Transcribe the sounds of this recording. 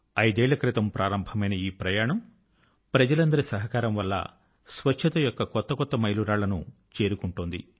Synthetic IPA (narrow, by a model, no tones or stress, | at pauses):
ɐjd̪ɛːɭːɐkɾit̪ɐmpɾʔaːɾɐmbʱɐmɐjnɐiːpɾɐjaːɳɐm | pɾɐd͡ʒɐlɐnd̪ɐɾisɐɦɐkaːɾɐmʋɐlːɐ̰ | sʋɐt͡ʃʰːɐt̪ɐjɔkːɐkɔt̪ːɐkɔt̪ːɐmɐjluɾaːɭɐnut͡ʃe̞ːɾukuɳʈuːnd̪ḭ